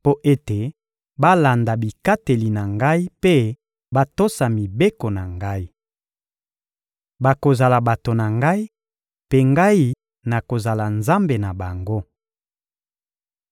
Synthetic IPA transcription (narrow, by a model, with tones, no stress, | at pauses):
po˦ʔe˦te˨ | ba˦la˨nda˨bi˨ka˦te˨li˨na˨ŋɡa˦i˦pe˦ | ba˦to˦sa˨mi˨be˦ko˨na˨ŋɡa˦i˦ | ba˨ko˨za˨la˨ba˨to˨na˨ŋɡa˦i˦ | pe˦ŋɡa˦i˦ | na˨ko˨za˨la˨nza˦mbe˨na˨ba˨ŋɡo˦